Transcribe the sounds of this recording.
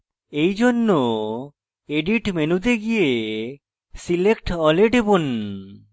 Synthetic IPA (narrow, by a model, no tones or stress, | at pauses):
ejd͡ʒonːo | eɖiʈmenud̪eɡije | silekʈɔleɖebun